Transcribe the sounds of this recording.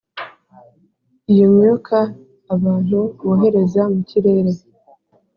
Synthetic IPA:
ijomɲokʰaː | βaːn̥huβoːɦe̞ɾe̞zamuciɾe̞ːɾe

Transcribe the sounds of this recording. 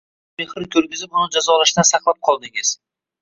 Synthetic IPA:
me̞χɾɪkʲʰɵɾɡʲɪzɪpʊnɪd͡ʒazɒlaʃt̪ansɑqlˠap̚qʰɒlˠd̪ɪŋɪz̥

